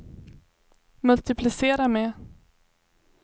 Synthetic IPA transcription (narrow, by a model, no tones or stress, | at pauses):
mɵlt̪ɪpʰlɪseːɾamɛ